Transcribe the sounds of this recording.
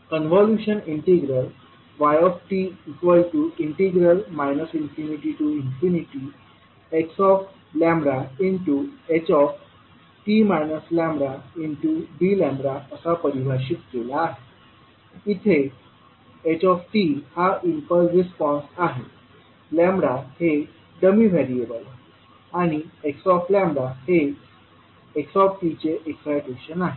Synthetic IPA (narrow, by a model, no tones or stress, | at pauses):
kənʋɔljuɕəniɳʈiɡɾəl | ʋajɔfʈiːkʋəlʈuiɳʈiɡɾəlmajnəsinfiniʈiʈuinfiniʈi | eksɔf | lɛ̃mbɾaiɳʈuet͡ɕɔf | ʈimajnəslɛ̃mbɾaiɳʈuɖilɛ̃mbɾaəsapəɾibʱaɕ̬it̪kelaːɦe | it̪ʰe | et͡ɕɔfʈihaimpəlɾispɔ̃nsaɦe | lɛ̃mbɾahe | ɖəmiʋʱɛɾiebəlaɦe | aɽ̃ieksɔflɛ̃mbɾahe | eksɔfʈit͡ɕeʔeksajʈeɕənaɦe